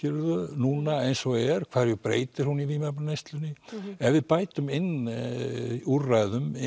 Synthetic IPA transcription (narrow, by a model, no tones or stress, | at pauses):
cɪɾðʏnuːnaejnsɔwɣɛɾ̥kʰvaːðɾjʏpɾḛːjt̪ɪɾ̥hunivimɛpnejst̪lʏnːɪɛvɪðpaːjt̪ʏmɪnː | urajðʏmɪ